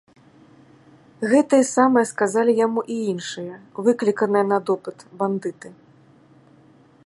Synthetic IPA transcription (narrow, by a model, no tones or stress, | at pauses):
ɣɛt̪ɨjɐsamɨjɐskazalʲijamuʔiinʂɨjɐvɨklʲikɐnɨjɐnɐd̪ɔpɨt̪band̪ɨt̪ɨ